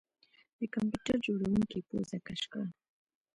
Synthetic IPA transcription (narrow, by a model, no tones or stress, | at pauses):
d̪̥əkampjuʈaɾd͡ʒoɽawuŋkepo̰zakaʃkɑ